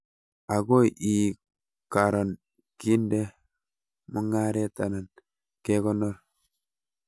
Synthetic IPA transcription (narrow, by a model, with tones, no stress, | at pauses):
a˨ɡo˦ʔi˨ | ka˨ɾo˨n | ki˦nde˦ | mu˦ŋa˦ɾe˦ta˨na˨n | ke˦kɔ˦nːɔ˦ɾ